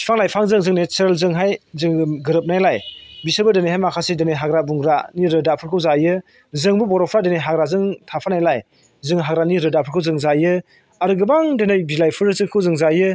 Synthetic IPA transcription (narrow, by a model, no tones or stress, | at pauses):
sʰi̥pʰaŋlajpʰaŋzɯŋzɯŋnesɾelzɯŋɦajzɯŋɡɯɾɯp̚najlajbisɯbɯdenejɦajmakʰasedeneɦaɡɾabuŋɡɾaniɾɯdapʰɯɾkʰɯwzajɯ | zɯŋbubɔɾɔpʰɾadenejɦaɡɾazɯŋtʰapʰanajlaj | zɯŋɦaɡɾaniɾɯdapʰɯɾkʰɯwzɯŋzajɯ | aɾɯɡɯbaŋdenɯjbilajpʰɯɾɯzɯŋkʰɯwzɯŋzajɯ